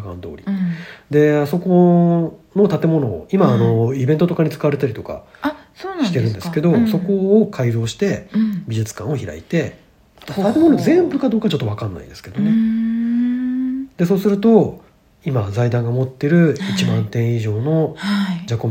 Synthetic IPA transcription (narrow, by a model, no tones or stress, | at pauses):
kã̰nd̪o̞̰ːɾʲid̪e̞aso̞ko̞ | no̞t̪at̪e̞mo̞no̞ːimaːno̞ibent̪ot̪o̞kaɲ̟it͡sɨ̥kaβaɾe̞t̪aɾʲit̪o̞ka̰soːnɕi̥t̪e̞ɾɯ̟̃nd̪esɨ̥ke̞d̪o̞so̞ko̞ːkʰaiɾo̞ːɕi̥t̪e̞bʲiʑɨt͡sɨ̥kã̰ɰ̃o̞çiɾa̰it̪e̞ | t̪at̪e̞monozẽ̞mbɯ̟kad̪oːkat͡ɕo̞t̪ːo̞βakãnːa̰ḭ̃d̪e̞sɨ̥ke̞d̪one | d̪e̞s̬o̞ːsɨɾɯ̟t̪o̞ | imazaid̪ãŋɡamo̞t̪ːe̞ɾɯ̟it͡ɕimãnt̪ẽɰ̃iʑo̞ːno̞haid͡ʑako